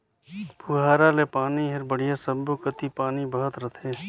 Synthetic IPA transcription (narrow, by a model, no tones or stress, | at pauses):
puɦaːɾalepaːniɦɪɾbəɽ̤ijasəbːokət̪ipaːnibəɦət̪ɾət̪ʰẽː